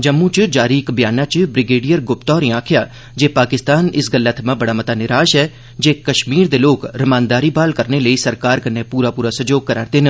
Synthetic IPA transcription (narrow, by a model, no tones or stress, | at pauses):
d͡ʒɐmːũt͡ʃd͡ʒaːɾiɪkbjaːnãt͡ʃbɾɪɡeːɖijəɾɡʊpt̪ɔːɾĩãːkʰɪjaː | d͡ʒeːpaːkɪst̪aːnɪsɡəlːət̪ʰmãbɐɽaːmɐt̪anɪɾaːʃɦɛː | d͡ʒeːkɐʃmiːɾd̪eːloːkɾɐmaːnd̪aːɾibaːlkəɾneləisɐɾkaːɾkɐnepuːɾapuːɾasɐd͡ʒoːɡ̚kɐɾa̰ːɾt̪en